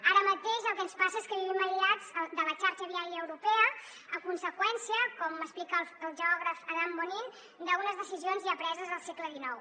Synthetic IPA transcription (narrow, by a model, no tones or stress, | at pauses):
aɾəmət̪eʃəlˠkɛənspasəeskəβiβɛməʎiad͡zd̪ələt͡ʃaɾʃəβiaɾjəːwɾupɛə | əkunsəkwɛnsiəkɔməsplikəəlˠʒəɔɣɾəfəðamːonin | d̪əɣunəzðəsizionziəpɾɛzəzðəlˠsɛkləðinɔw